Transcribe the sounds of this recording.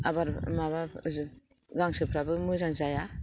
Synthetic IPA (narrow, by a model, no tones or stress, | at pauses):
abaɾmaβa | ɡaŋsɯpʰɾabɯmɯzaŋzaja